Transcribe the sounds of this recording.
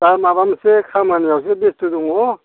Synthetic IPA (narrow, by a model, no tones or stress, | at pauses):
t̪aɾmabamsekʰamanijawsebest̪ud̪uŋɦo